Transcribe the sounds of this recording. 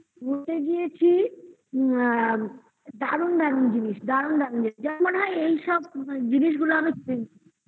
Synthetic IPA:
ɡʱuʈeɡijet͡ɕʰi | d̪aɾund̪aɾund͡ʑiniʃd̪aɾund̪aɾund͡ʑiniʃd͡ʑamanɦajejʃɔb̚d͡ʑiniʃ̬ɡuloamit͡ɕuɾent͡ɕʰi

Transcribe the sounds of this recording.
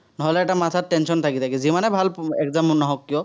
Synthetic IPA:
nɔɦɔlɛɛʈamat̪ʰat̚tɛnsɔnt̪ʰakit̪ʰakizimanɛbʱalɛkzamnɔɦɔkːijɔ

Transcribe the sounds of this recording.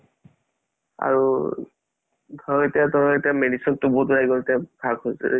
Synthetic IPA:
a̰ɹu | dʱɔɹɔitadʱɔɹɔitɛmenisɔk̚tʊboɦutɹajɡɔltɛb̥ʰʱaɡhojsɛ̰

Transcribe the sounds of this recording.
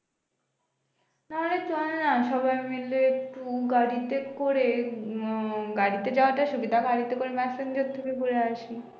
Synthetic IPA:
naɦolet̪uanaʃɔbaemeleeʈuɡaɾit̪ekoɾe | ɡaɽit̪ed͡ʑaoaʈaʃubid̪ʱaɡaɽit̪ekoɾemɛsend͡ʑot̪ʰokepuɾeaʃi

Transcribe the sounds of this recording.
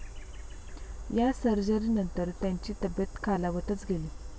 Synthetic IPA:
jasəɾd͡ʑəɾiːnənt̪əɾt̪jaɲt͡ɕiːt̪əbjət̪kʰalaʋət̪ət͡sɡʱeliː

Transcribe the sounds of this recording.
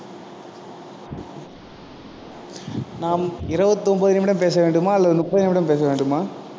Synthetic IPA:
naːmɪɾɐʋɐt̪ːɯɔmbɐðɪnɐmɪɽɐmpeːsɐʋeːɳɖɯmaːɐlːɐðɯnʊpːɐðɪnɛmɪɽɐmpeːs̬ɐʋeːɳɖɯmaː

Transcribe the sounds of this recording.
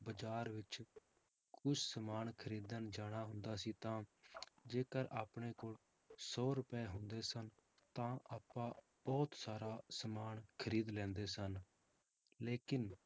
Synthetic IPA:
bəd͡ʒaːɾʋɪt͡ʃ | kʊt͡ʃʰsəmaːnkʰəɾiːd̪ənd͡ʒaːɽ̃aːɦʊ̃nd̪aːsiːt̪ãːd͡ʒeːkəɾaːpɳ̃eːkoːɭ | sɔːɾʊpɛːɦʊnd̪eːsən | t̪ãːʔaːpːãː | b̥ɔːt̪saːɾaːsəmaːnkʰəɾiːd̪lɛ̃ːnd̪eːsən | leːkɪn

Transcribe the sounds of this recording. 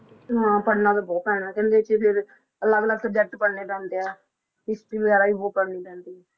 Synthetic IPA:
ɦãːpəɽnaːt̪oboːpɛ̃ːnaːkɛ̃ːnd̪eːt͡ʃpʰɪɾ | ələɡləɡsəd͡ʒɛʈpəɽniːpɛ̃ːnt̪eaː | ɪsʈiːbəɣɛːɾaːiːboːpəɽniːpɛ̃ːnt̪iː

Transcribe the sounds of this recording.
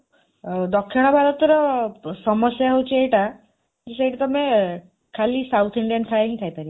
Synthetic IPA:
d̪ɔkʰːiɽ̃ɔbʱaɾɔt̪ɾɔsɔmɔsjaɦot͡ʃʰiejʈa | d͡ʒesejʈat̪ɔmẽ | kʰalisawt̪ʰiɳɖijank̪ʰaeɦĩt̪ʰajpaɾi

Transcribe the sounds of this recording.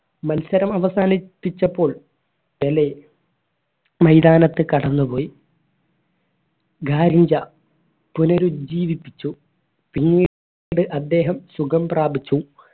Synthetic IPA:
mɐlsɐɾɐmɐʋɐsaːnipːit͡ɕːɐpːo̞ːɭ | pele | mɐjd̪aːnɐt̪ːɨkɐɽɐnːupo̞ːji | ɡaːɾiɲd͡ʑɐ | punɐɾud͡ʑiːʋipːit͡ɕːu | piŋːi | ɽɨʔɐd̪ːe̞ːɦɐmsukɐmpraːbit͡ɕːu

